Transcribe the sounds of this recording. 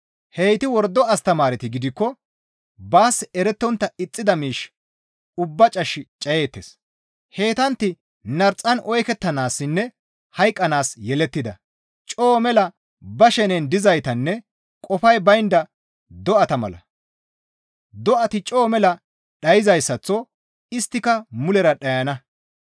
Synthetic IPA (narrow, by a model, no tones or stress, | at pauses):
hejt̪ɪwɔɾd̪ːɔɐst̪ɐmaːɾɪt̪ɪɡɪd̪ɪkːɔ | baːsɛɾɛt̪ːɔnt̪ːɐɪt͡sʼːɪd̪ɐmiːʃ | ʊbːɐt͡ʃʼɐʃːɪt͡ʃʼɐje̞ːt̪ːeːs | he̞ːt̪ɐnt̪ːɪ | nɐɾt͡sʼːɐnʔɔjkɛt̪ːɐnaːsːɪnːɛ | hɐjkʼːɐnaːsjɛlɛt̪ːɪd̪ɐ̰ | t͡ʃʼo̞ːmɛlɐ | bɐʃɛnɛnd̪ɪzɐjt̪ɐnːɛ | kʼɔfɐjbɐjɪnd̪ɐ | d̪ɔʔɐt̪ɐmɐ̰lɐ̰ | d̪ɔʔɐt̪ɪt͡ʃʼo̞ːmɛlɐ | ɗɐjɪzɐjsːɐt͡sːɔ | ɪst̪ːɪkɐmʊlɛɾɐɗɐjɐnɐ